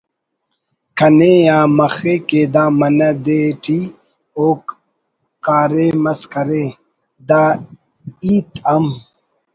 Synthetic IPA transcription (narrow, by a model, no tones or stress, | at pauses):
kʰɐneːaːmɐxeːkeːd̪aːmɐnɐd̪eːʈʰi | oːkː | aːɾeːmɐskɐɾeː | d̪aː | iːt̪ɐm